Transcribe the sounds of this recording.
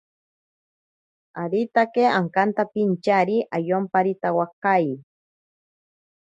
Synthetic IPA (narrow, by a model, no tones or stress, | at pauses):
aɾit̪akeaŋkant̪apint͡ʃaɾiʔajompaɾit̪awakaj